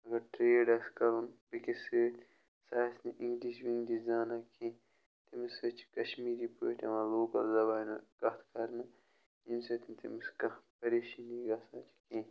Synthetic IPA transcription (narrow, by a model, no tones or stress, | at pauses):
ɐɡɐɾʈɾeːɖɐskɐɾunbikiseːʈ | saːsniʔiŋɡliʃwiŋɡd̪izaːnakʰẽː | t̪imisɐt͡ʃʰi̥kɐʃmiːɾipoʈɐmɐloːkɐɾzɐbaːnɐɡ̥ɐht̪kɐɾnɐ | imsɐt̪int̪imiskɐpɐɾeʃiniɡɐsãːt͡ʃʰi̥kẽː